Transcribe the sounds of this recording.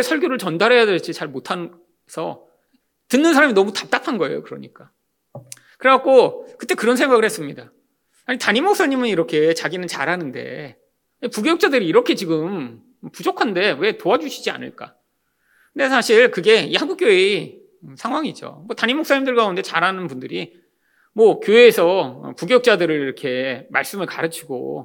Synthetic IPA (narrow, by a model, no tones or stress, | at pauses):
esʰʌɭɡjoɾɯɭt͡ɕʌndaɾejadeɭt͡ɕ͈it͡ɕaɭmotʰan | sʰʌ | tɯnːɯns̬ʰaɾaminʌmutap̚t͈apʰanɡʌe̞̰jo̰kɯɾʌɲik͈a | kɯɾeɡak̚k͈okɯt͈ekɯɾʌnsʰeŋɡaɡɯɭhes͈ɯmɲida | aɲitaɲimːok̚s͈aɲimɯniɾʌkʰe̞t͡ɕaɡinɯnt͡ɕa̰ɾɦanɯnde̞̰ | ipuɡeuk̚t͡ɕ͈adɯɾiːɾʌkʰe̞t͡ɕiɡɯm | pud͡ʑokʰande̞we̞toad͡ʑuɕʰid͡ʑia̰nɯ̰ɭk͈a̰ | kɯnde̞sʰaɕʰiɭkɯɡe̞ihanɡuk͈joe | sʰaŋɦwaŋid͡ʑo̰mwʌtaɲimːoks͈aɲimndɯɭkaunde̞t͡ɕaɾɦanɯnpundɯɾi | mwʌkjoeːsʰʌ̰puɡjukt͡ɕ͈adɯɾɯɭiɾʌkʰe̞ma̰ɭs͈ɯmɯɭkaɾɯt͡ɕʰiɡo̰